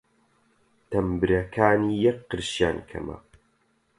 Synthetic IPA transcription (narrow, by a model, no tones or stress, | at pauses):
t̪ʰɐmbɨɾɐkʰaːniːjɐkqːɨɾʃjaːnkʰɐ̰mɐ̰